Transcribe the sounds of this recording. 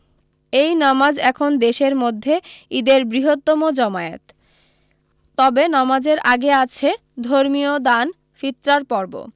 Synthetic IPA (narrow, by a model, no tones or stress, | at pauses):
ejnamad͡ʑɛkʰond̪eʃeɾmod̪ʱːeid̪eɾbɾiɦot̪ːɔmod͡ʑɔmaet̪ | ɔbenɔmad͡ʑeɾʔaɡeat͡ɕʰe | d̪ʱoɾmiod̪an | fit̪ːɾaɾpɔɾbo̰